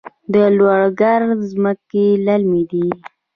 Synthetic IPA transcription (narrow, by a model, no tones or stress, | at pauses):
d̪əlwɑɽɡaɾzməkelalmid̪i